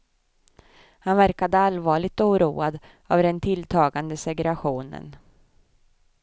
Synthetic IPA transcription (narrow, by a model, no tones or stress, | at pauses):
hanvæɾkad̪əalvɑːɭɪɡ̚t̪uːɾuːad̪ | avd̪ɛnt̪ʰɪlt̪ʰɑːɡand̪əsɛɡɾaɧuːnə̰n